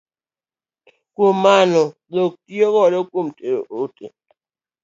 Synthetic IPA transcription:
komːanɔdok̚tioɣɔɾɔkomteɾo̰ʔotḛ

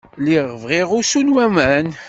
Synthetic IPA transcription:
liʁvʁiʁʊsunwæmæn

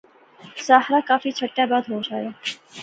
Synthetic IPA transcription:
saːɦɾakaːfiːt͡ʃʰəʈːjaːbaːd̪ɦod͡ʒaːjaː

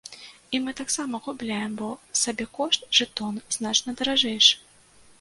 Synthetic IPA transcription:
imɨt̪aksamɐɣublʲajɛmbɔsabʲɛkɔʂt̪ʐɨt̪ɔnznat͡ʂnɐd̪ɐɾaʐɛjʂɨ̥

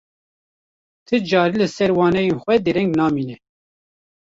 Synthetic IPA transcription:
t̪ʰɨd͡ʒɑːɾilɨsɛɾwɑːnɛjenxʷɛd̪eɾɛŋɡnɑːmiːnɛ

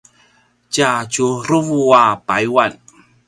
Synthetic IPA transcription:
t͡ʃat͡ʃuɾuvuwapajwan

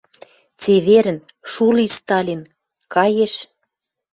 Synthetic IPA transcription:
t͡seβeɾə̆nʃulist̪ɑlʲin | kɑjeʃ

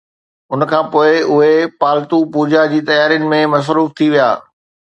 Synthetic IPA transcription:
ʊnkʰãːpoːɪʊɦepaːlt̪upuːd͡ʑad͡ʑiːt̪ɐjaːɾijʊnɪ̆mẽmɐs̬ɾuːft̪ʰiʋija̰ː

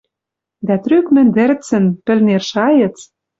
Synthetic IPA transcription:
d̪æt̪rykmɘ̆nd̪ɘ̆rt͡sɘ̆npɘ̆lnerʃɑjɤ̆t͡s

